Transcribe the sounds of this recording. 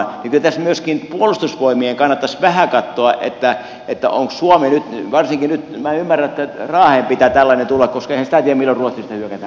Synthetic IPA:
nikylt̪æsmyøskinpuolust̪usʋoimieŋkɑnːɑt̪ːɑsʋæhækɑt̪ːoɑʔḛt̪ːæ | et̪ːæ̰o̰ŋkssuomenyt̪ʋɑrsiŋkinyt̪mæymːæræet̪ːærɑːheːmpit̪æt̪ælːɑnent̪ulːɑkkoskɑehænsit̪æt̪iæmilːorruot̪sist̪ɑhyøkæt̪æ

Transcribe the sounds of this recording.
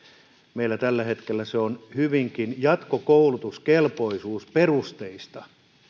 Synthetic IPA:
meilːæt̪ælːæhet̪kelːæseonhyʋiŋkinjɑt̪kokoulut̪uskelpoisuːsperust̪eist̪ɑ

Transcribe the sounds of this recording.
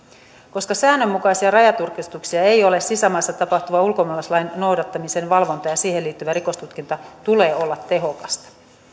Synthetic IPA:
ko̞skɑsæːnːø̞mːukɑjsiɑrɑjɑt̪urkist̪uksiɑe̞jo̞le̞ssisæmɑsːɑt̪ɑpɑht̪uʋɑulko̞mɑlɑslɑjnno̞wdɑt̪ːɑmise̞nʋɑlʋo̞nt̪ɑjɑsiːhe̞lːiːt̪ːyʋæɾiko̞st̪ut̪kint̪ɑt̪ule̞ːo̞lːɑt̪ːe̞ɦo̞kɑst̪ɑ̥

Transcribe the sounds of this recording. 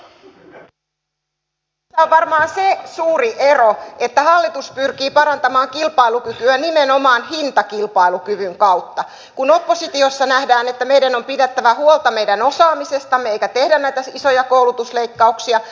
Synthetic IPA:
iæoʋʋɑrmɑːnsesuːriʔe̞roʔe̞t̪ːæhɑlːit̪uspyrkiːpɑɾɑnt̪ɑmɑːŋkilpɑilukykyænimeno̞mɑːnɦint̪ɑkilpɑilukyʋyŋkɑwt̪ːɑ | kuno̞pːo̞sit̪io̞sːɑnæhdæːne̞t̪ːæme̞ijdæno̞mpidet̪ːæʋæhuolt̪ɑme̞jdænosɑːmise̞st̪ɑmːeeikæt̪ehdænnæit̪æiso̞jɑko̞ulut̪usleikːɑuksiɑ

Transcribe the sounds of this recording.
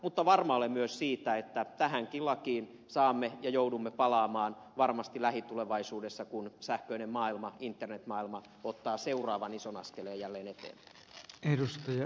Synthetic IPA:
mut̪ːɑʋɑrmɑolemmyøssiːt̪æet̪ːæt̪æhæŋkilɑkiːn | sɑːmːejɑjoudumːepɑlɑːmɑːnʋɑrmɑst̪ilæhit̪uleʋɑisuːdesːɑkunsæhkøinemmɑːilmɑint̪ːernet̪mɑːilmɑ | ot̪ːɑːseurɑːʋɑnisonɑskeleːjjælːeːnet̪ḛːmpæ̥iedust̪ɑjɑ

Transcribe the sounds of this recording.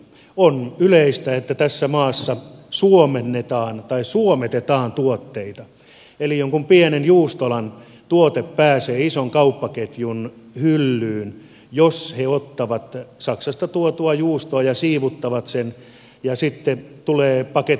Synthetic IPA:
onyleist̪æet̪ːæt̪æsːæmɑːsːɑsuomenːet̪ɑːnt̪ɑissuomet̪et̪ɑːnt̪uot̪ːeit̪ɑ | elijoŋkumpienenjuːst̪olɑn | t̪uot̪eppæːseːisoŋkɑupːɑket̪jun | hylːyːn | josheot̪ːɑʋɑt̪sɑksɑst̪ɑt̪uot̪uɑjuːst̪oɑjɑsiːʋut̪ːɑʋɑt̪sen | jɑsit̪ːet̪uleːpɑke

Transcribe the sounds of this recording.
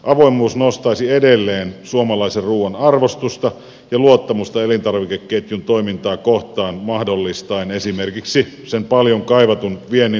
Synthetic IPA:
ʔɑʋoimːˑuːsnost̪ɑisiedelːeːnsuomɑlɑiserruːʋɑnɑrʋost̪ust̪ɑ | jɑluot̪ːɑmust̪ɑelint̪ɑrʋikekːet̪junt̪oimint̪ɑːkoht̪ɑːnmɑhdolːist̪ɑinesimerkiksi | sempɑljoŋkɑiʋɑt̪unʋienːi

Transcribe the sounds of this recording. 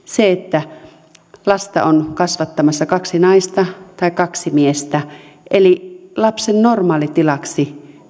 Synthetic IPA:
seet̪ːæ | lɑst̪ɑ̰onkɑsʋɑt̪ːɑmɑsːɑkɑksinɑist̪ɑt̪ɑikɑksimiest̪æ | ʔelilɑpsennormɑːlit̪ilɑksi

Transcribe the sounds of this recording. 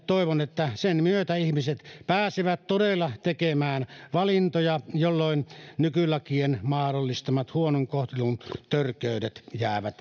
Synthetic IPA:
t̪oˑeʋonet̪ːæsenmyøt̪æihmiset̪pæːsiʋæt̪todelːɑt̪ekemæːnʋɑlint̪ojɑjolːoˑennykylɑkienmɑhdolːist̪ɑmɑt̪huonoŋkoht̪ilunt̪ørkˑeˑydet̪jæˑːʋæt̪

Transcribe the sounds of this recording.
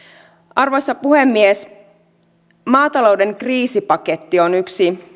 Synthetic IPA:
ɑrʋosːɑpuhe̞mːies | mɑːt̪ɑlo̞wde̞ŋkriːsipɑke̞t̪ːio̞nyksi

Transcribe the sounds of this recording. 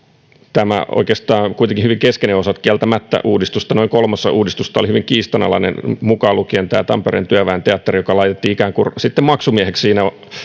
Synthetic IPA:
t̪æmæ̰o̰ikeːst̪ɑːkuit̪eŋkihyʋiŋkeskeneosɑt̪kiælt̪æmæt̪ːæ̰ʔuːdist̪ust̪ɑnoiŋkolmɑsːɑʔuːdist̪ust̪ɑolihyʋiŋkiːst̪ɑnɑ̰lɑ̰inḛnmukɑlukient̪æːt̪ɑmperḛːnt̪yæʋæːnt̪eɑt̪ːerijokɑlɑit̪et̪ːiikæːŋkursit̪ːemmɑksumiehekssiːnæo

